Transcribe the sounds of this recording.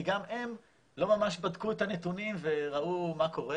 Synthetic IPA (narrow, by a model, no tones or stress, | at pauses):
iɡamem | lo̞mamaʃbadkuet̪anet̪unimve̞ʁaumako̞ʁe